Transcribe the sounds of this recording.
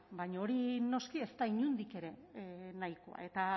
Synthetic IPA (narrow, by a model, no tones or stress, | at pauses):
bajɲaoɾino̞skie̞st̪aiɲund̪ike̞ɾe̞najko̰a̰e̞t̪a